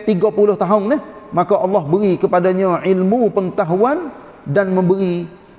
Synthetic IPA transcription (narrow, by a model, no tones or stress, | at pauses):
t̪iɡapulʊht̪aɦʊnnəhmakaʔɑlːɑhbəɾikəpadaɲãʕilmupəŋt̪aɦuan | danmə̃mbəɾi